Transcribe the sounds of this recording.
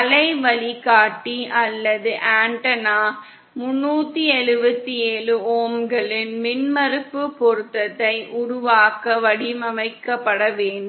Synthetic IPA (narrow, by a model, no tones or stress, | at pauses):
ɐlɐɪʋɐɭikaːʈːiʔɐlːɐðɯʔaːɳʈɐnaː | mʊnːuːt̪ːiɛɻɯʋɐt̪ːieːɭɯoːmɡɐɭɪnmɪnmɐɾɯpːɯpːɔɾɯt̪ːɐt̪ːɐɪʔʊɾʊʋaːkɐʋɐɽimɐʋɐɪkːɐpːɐɽɐʋeːnɖ